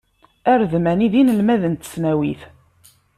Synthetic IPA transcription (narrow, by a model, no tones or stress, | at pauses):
æɾðmæniðinəlmæðənt̪ə̥snæwiθ